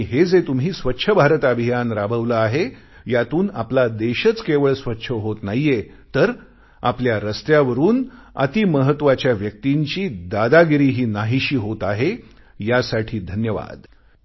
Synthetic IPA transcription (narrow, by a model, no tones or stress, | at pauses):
iɦed͡zet̪umɦiːsʋətːɕʰəbʱaɾət̪abʱijanɾabʱəʋləːɦe | jat̪uːnaplad̪eɕət͡skeʋəɭsʋətːɕʰəɦot̪najje | t̪əɾ | apljaɾəst̪jaʋəɾuːnə̰t̪iməɦət̪ːʋat͡ɕjaʋjək̚t̪iɲt͡ɕiːd̪ad̪aɡɾiːɦiːnaɦiɕiːɦot̪aɦe | jasaʈʰiːd̪ʱənjəʋa̰d̪